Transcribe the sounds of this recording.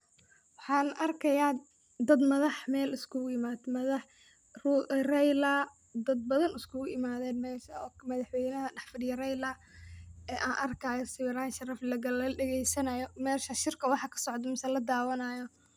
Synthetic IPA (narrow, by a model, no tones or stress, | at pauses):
wɑħɑːnʔɐrkʰɐjaː | d̪ɐd̪mɐðɐħmɛːlɪskʰʊʊɪmaːd̪mɐðɑħ | rurɛjlɐ | d̪ɐd̪̚bɐðɐnɪskʰʊɣʊɪmaːðɛːnmɛːʃɐɔːmɐðɑħwɛjnɐɦɐɖɑħfɪɽɪjɐrɛjlɐ | ɛːʔaːnʔɐrkʰɐjɔsɪwɪɾaːnʃɐrɐflɐɣɐɐɖɛɣɛjsɐnɐjɔmɛːʃɐʃɪrkʰɐwɑħɑkʰɐ̥sɔʕɔd̪mɪsɐlɐd̪aːwɐnɐjɔ